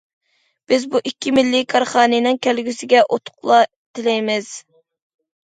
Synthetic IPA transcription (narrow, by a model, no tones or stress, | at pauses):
b̥ɪzbuʔikʲːimɪlːikʰɑɾχɑːnɨnɨŋkʲʰɛlɡʲysɪɡʲɛʔot̪ʰʊ̥qlˠɑ | t̪ʰɪlɛjmɪz̥